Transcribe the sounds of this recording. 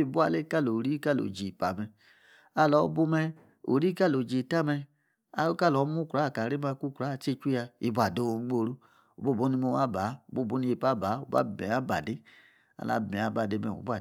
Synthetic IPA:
i˦˨bu˦a˧˨le˦ka˦lo˨ɾi˦ka˦˨lo̰˨d͡ʒi˨pa˨mɛ˧ | a˧lɔ˨˦bu˧mɛ˧ | o̰˨ɾi˦ka˦˨lo˨d͡ʒe˨ta˦mɛ˧ | a̰˧˦o˦ka˦˨lɔ˨˦mu˦kɾa˨˦˨ka˨ɾe˦ma˧ku˦˨kɾa˨˦˨t͡ʃe˦t͡ʃu˦a˧ḭ˨bu˧˦a˨do˧˦˧ɡ͡bo˦˧˨ɾu˦ | o˨bo˦˨bo˦ni˧mo˧˦a˦ba˨˦o˨bo˦˨bo˦ni˧je˧pa˦ba˨˦o̰˨ba̰˦bɛ̰˨a˦ba̰˨de˦ | a̰˨la̰˨˦bɛ˨a˨˦ba˨de˧mɛ̰˨o̰˨bu˦a˨

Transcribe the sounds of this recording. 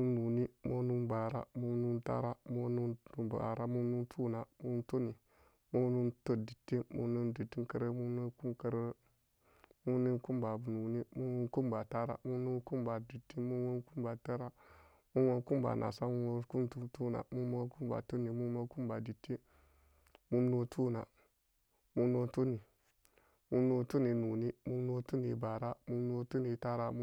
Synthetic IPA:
u˦nu˨ni˦mo˦nu˦nba˨ɾa̰˦mu˦nu˦nta̰˦ɾa˦mo˦nu˦ntu˦ba̰˨ɾa˦mu˦nu˦ntʰu˦na˨mu˦n˦to˦ni˨ | mu˦nu˦nto˦di˨tːi˦mṵ˦nu˦ndi˨ti˦ŋkə˦ɾe˦mu˦nu˦ku˦mkə˦ɾ | mu˦ni˦nku˦mba˨bu˨nu˨ni˦mu˦u˦nku˦mba˨ta˦ɾa̰˦˨mu˦nu˦ku˦mba˨di˨tːi˦mu˦wu˦nku˦mba˨ta˦ɾa˦ | mu˦nwo˦n˦ku˦mba̰˨na̰˨sa˦mu˦wo˦ku˦mtu˦tu˦na̰˨mu˦o˦ku˦ba̰˨tu˦ni˨mu˦mo˦ku˦mba˨di˨tːi˦ | mu˦mno˦tʰu˦na˨ | mu˦no˦tu˦ni˨ | mu˦no˦tu˦ni˨nu˨ni˦mu˦mno˦tu˦ni˨ba˨ɾa˦mu˦no˦tu˦ni˨ta˦ɾa˦

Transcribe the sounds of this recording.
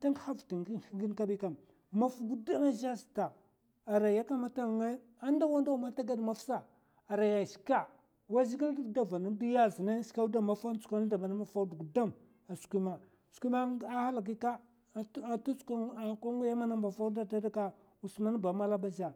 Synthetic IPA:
ta˦ŋkha˦vti˨ŋɡɡi˦nka˦bi˦ka˨m | ma˦˨fu˨ɡu˦da˦ma˦ʒa˦sta˨ | a˨ɾa˨ja˦ka˦ma˦ta˦˨ŋe˦ | a˦nda˦wa˦nda˦u˨ma˦ta˦ɡa˦dma˦fsa˦ | a˨ɾa˨ja˨si̥˨ka˦ | wa˦zi˦ɡi˦ldda˦va˨na˦i˦ja˦˨zi˨na˦ska˦u˦da˦ma˨fa˦n˦t͡su̥˨kʷa˦na˦da˨ma˨na˦ma˨fa˦du˨ɡu˨da˦m | a˨skʷi˦ma˨ | skʷi˦ma˦a˦ha˦la˨ɡ̬i˦ka˦˨˦ | tu˦ska˦˨ka˦ŋɡu˦ja˦ma˦na˦mba˨fa˦da˦da˦da˦ka˦ | u˨sma˦n˦ba˨ma˦la˦ba˦za˨

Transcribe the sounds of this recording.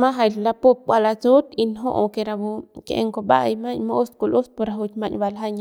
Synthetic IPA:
ma˦ɦa˧˨jlla˧pu˦p̚bʷa˧la˧t͡su˦t̪i˧nɦo̰˦ʔo˧ke˧ɾa˧bu˧kḛʔḛ˧ŋko˧ba̰˦˧jma˦ɲmo˦ʔːsku˧lu˦s̚po˧ɾa˧ɦu˧t͡ʃma˧ɲba˧lɦa˦ɲ

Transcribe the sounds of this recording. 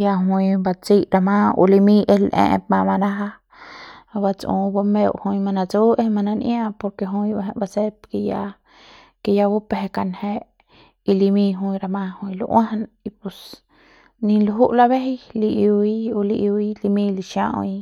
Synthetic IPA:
ja˧ɦu˧jba˧t͡si˦ɾa˧mã˦ṵ˧li˧mĩ˦ʔe˧lʔḛ̃˧ʔp̚mã˧ma˧na˦ɦa˦ | ba˧t͡sṵ̃˧ba˧me˧wʔhu˧jma˧na˧t͡su˦e˦˧ma˧nã˧njã˦˧po˧ɾke˧ɦũ˧je˧ɦẽ˧ʔba˧se˦pke˧ja˧ | ke˧ja˧bu˦peɦe˧ka˧nhe˦ʔ | i˧li˧mĩ˧ɦũ˧jɾa˧mã˧hũ˧jlṵ˧ʔwã˦hna | i˧pu˧s | ni˧luɦu˦ʔla˧be˦ɦjli˧ʔu˧wi˦u˧li˧ʔi˧i˦li˧mĩ˧liʃjã̰˧i˧

